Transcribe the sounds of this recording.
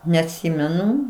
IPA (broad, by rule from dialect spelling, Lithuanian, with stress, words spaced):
nʲɛɐtʲˈsʲiːmʲɛnʊ